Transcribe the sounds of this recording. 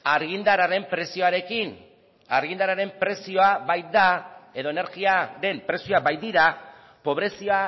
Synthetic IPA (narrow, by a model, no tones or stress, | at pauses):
aɾɣind̪aɾaɾe̞mpɾe̞sio̞aɾe̞kin | aɾɣind̪aɾaɾe̞mpɾe̞sio̞aβajt̪̚d̪ae̞ðo̞ene̞ɾɣiaɾe̞mpɾe̞sioabajt̪̚d̪iɾa | po̞β̞ɾe̞sioa